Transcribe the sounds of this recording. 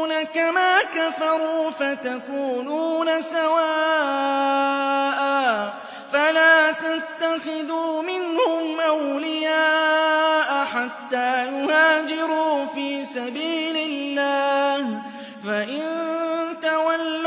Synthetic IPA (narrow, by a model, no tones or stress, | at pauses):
nakamaːkafɑɾuːfat̪akuːnuːnasawaː | ʔa | falaːt̪at̪ːaxɪðuːmɪnhʊmʔawlɪjaːʔaħat̪ːaːjʊhaːd͡ʒɪɾuːfiːsabiːlɪlːaːh | faʔɪnt̪awalː